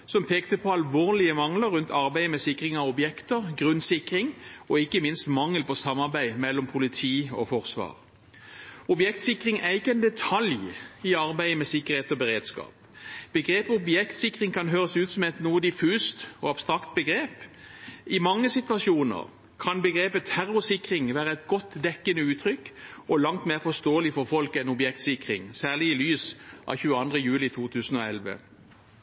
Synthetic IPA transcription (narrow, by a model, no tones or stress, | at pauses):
sɔmpʰeːkt̪əpʰɔɑlʋoːʁlɪəmɑŋləɾʉnt̪ʰɑʁbæɪmɛsɪkʁɪŋɑʋɔbjɛkt̪əʁɡʁʉnsɪkʁɪŋɔɪkːəmɪnst̪mɑŋːəlpɔsɑmːɑʁbæɪmɛlːɔmpʰʊlɪt̪ʰiːɔ̰fɔʁsʋɑ̰ːʁ | ɔbjɛkt̪sɪkːʁɪŋæɾɪkːəɛnd̪ɛt̪ʰɑljɪɑʁbæɪmɛsɪkːəʁheːt̪ɔbəʁeːd̪skɑ̰ːp | b̥əɡʁeːpɔʊbjɛkt̪sɪkʁɪŋkʰɑnɦøːʁəsʉːt̪sɔmɛt̪nuːəd̪ɪfʉːst̪ɔɑb̥st̪ɾɑkt̪̚bəɡʁeːp | ɪmɑŋːəsɪt̪ʋɑʃuːnə̰ʁ | kʰɑnbəɡɾeːpət̪ʰæɾʊsɪkʁɪŋʋæːʁəɛt̪ɡɔt̪ːd̪ɛkːənəʉːt̪ʰʁʏkːɔlɑŋt̪meːʁfɔst̪oːəlɪfɔʁfɔlkəɛnɔbjɛk̚t̪sɪkʁɪŋsæːʁlɪɪlyːsʔɑ̰çʉːəɑnd̪ʁəjʉːlɪt̪ʰuːt̪ʰʉːsn̩ɔɛlʋə̰